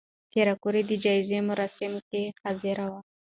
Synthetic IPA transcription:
k̪eɾakuɾid̪əd͡ʒɑɪzemʊɾɑsɪmkexazɪɾawa

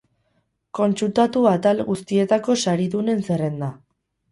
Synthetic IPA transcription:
ko̞nsult̪at̪uat̪alɣust̪ie̞t̪ako̞saɾiðune̞nsere̞nd̪a

